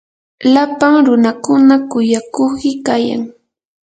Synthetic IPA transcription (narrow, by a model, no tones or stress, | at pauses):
lapaŋɾʊnakʊnakʊjakʊkɪkaja̰ŋ